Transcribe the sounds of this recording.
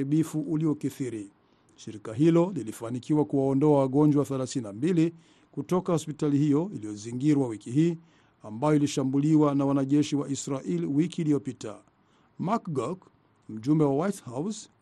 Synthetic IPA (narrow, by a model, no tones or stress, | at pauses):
iɓifuʔuliɔkiθiɾi | ʃiɾikaɦilɔlilifanikiwakuwaɔndɔawaɠɔɲd͡ʒwaθɛlaθininambili | kutɔkahɔspitalihijɔilijɔziŋɡiɾwawikiɦiː | ambajɔiliʃambuliwanawanaʄɛʃiwaʔisɾaʔiliwikiːlijɔpita̰ | makɡɔk | m̩ʄumbɛwawajthaws